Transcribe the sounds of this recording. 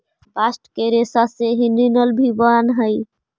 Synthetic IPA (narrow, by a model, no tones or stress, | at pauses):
basʈkeɾesaseɦininəlbʱibənɦəj